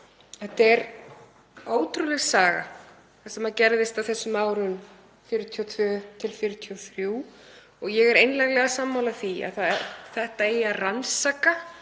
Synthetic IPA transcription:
ɛht̪ɛɾ | oːwt̪ɾulɛɣsaːɣa̰ | θɛsamaðcɛɾðɪst̪awθɛsːʏmaːwɾʏn | fjɪɾʏt̪ʰiɔt̪ʰvœːt̪ʰɪlfjɪɾʏt̪ʰiɔθɾjuː | ɔɣjɛɣɛɾejnlajɣlɛɣasamːawlaθia̰ðθaθɛht̪aejaransaːka

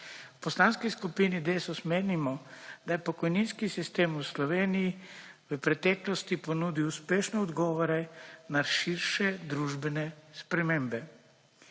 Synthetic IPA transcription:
wpɔslaːnskiskupiːnid̪eːsɔsmeːnimɔd̪ajɛpɔkɔjninskisist̪eːmuslɔʋeːnijiʋəpɾɛt̪ɛːklɔst̪ipɔnuːd̪iwuspeːʃnɛɔd̪ɡɔːʋɔɾɛnaʃiɾʃɛd̪ɾuːʒbɛnɛspɾɛmeːmbɛ

